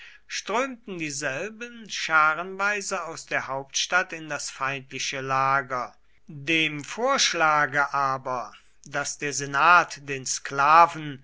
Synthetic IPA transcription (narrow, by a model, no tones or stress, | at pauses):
ʃtʁ̥øːmtn̩diːzɛlbənʃaːʁənvaɪzəaʊsd̥eːɐɦaʊp̚tʃtatɪndasfaɪntlɪʃəlaːɡɐ | deːmfoːɐʃlaːɡəʔaːbɐ | dasd̥eːɐzenaːtd̥eːnsklaːvn̩